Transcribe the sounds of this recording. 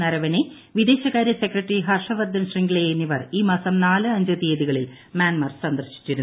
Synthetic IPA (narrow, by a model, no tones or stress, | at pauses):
ɐɾɐʋɐne | ʋid̪e̞ːɕɐɣaːɾjɐsekrɐʈːriɦɐrʂɐʋɐrd̪ːɐnɕriŋɡɭejejnːiʋɐriːmaːsɐmnaːlɨɐɲd͡ʑɐðijɐðiɣɐɭil | maːnmɐrsɐnd̪rɕi̥tːɨɾun